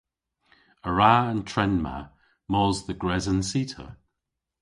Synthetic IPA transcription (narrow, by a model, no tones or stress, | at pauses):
əɹaəntʰɹ̥ɛnma̰ | mɔːzðəɡɹɛzənsiːtʰə̰